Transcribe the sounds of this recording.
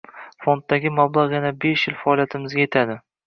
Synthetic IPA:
fo̞nt̪̚ːaɡʲɪmablˠaʁjanabeʃjɪlfaɒlˠijat̪ʰɪmɪzɡʲaje̞t̪ʰad̪ɪ

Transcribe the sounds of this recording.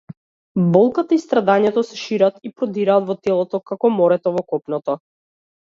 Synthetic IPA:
bɔlˠkat̪aist̪ɾad̪aɲɛt̪ɔsɛʃiɾat̪ipɾɔd̪iɾaːt̪vɔt̪ɛlˠɔt̪ɔkakɔmɔɾɛt̪ɔvɔkɔpnɔt̪ɔ

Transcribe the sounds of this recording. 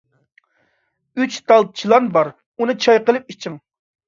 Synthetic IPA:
yt͡ʃt̪ɑlˠt̪̚t͡ʃʰilˠɑnbɑɾ | unɨt͡ʃʰɑjqəlˠɨp̚it͡ʃʰɪŋ

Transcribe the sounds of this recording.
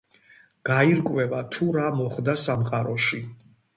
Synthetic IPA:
ɡ̥aiɾkʼwɛvat̪ʰuɾamɔχd̪asamqʼaɾɔʃi

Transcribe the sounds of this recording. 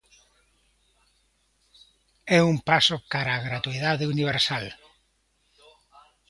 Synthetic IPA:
ɛumpasʊkaɾaːɣɾat̪uiðaðeuniβ̞eɾsal

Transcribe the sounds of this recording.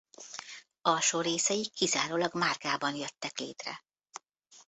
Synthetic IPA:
ɒlʃoːɾeːsɛjikʰːizaːɾoːlɒɡmaːrɡaːbɒnjøt̪ːɛklḛːt̪rɛ̰

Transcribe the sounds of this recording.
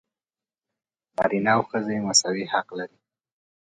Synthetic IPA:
nɑ̰ɾinawxəzemasawihaqlaɾi

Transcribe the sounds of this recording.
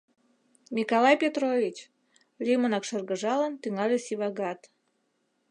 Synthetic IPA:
mʲikolˠɑjpʲet̪ɾovʲit͡ɕ | lʲimə̆nɑkʃɤrɣə̆ʒɑlənt̪yŋɑlʲesiβɑɡɑt̪

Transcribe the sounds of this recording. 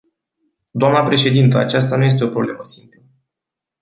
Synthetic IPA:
d̪oamnəpɾe̞ʃe̞d̪int̪əa̰t͡ʃast̪anuje̞s̬t̪e̞o̞pɾo̞ble̞məsimplə

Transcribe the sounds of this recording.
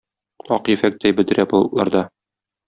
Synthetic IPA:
ɒqjɘ̆fæk̚t̪æjbɘ̆d̪ɘ̆ɾæbŏlˠɤ̆t̪lˠɑɾd̪ɑ

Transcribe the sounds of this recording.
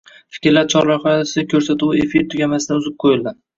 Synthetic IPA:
fɪ̥kʲɾlaɾt͡ʃʰɒɾlaɾhɒjasɪkʲʰɵɾsat̪uefiɾt̪ʰʊɡʲamasɪd̪anʊzɪp̚qʰojɪld̪ɪ

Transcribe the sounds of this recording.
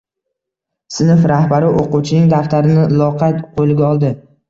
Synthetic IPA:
sɪnɪfɾahbaɾɪʔoquwt͡ʃʰɪnɪŋd̪aft̪ʰaɾɪnɪlˠɒqʰɑt̪qʰolɪɡʲaɒlˠd̪ɪ

